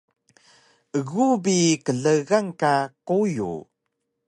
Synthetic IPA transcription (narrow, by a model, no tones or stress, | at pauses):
ʔəɣubikəɮəɣaŋkakujṵ